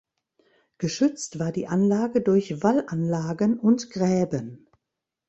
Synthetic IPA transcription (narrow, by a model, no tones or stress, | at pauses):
ɡ̥əʃʏt͡stv̥aːɐdiːʔanlaːɡədʊɐçv̥alʔanlaːɡənʊntɡ̥ʁɛːbən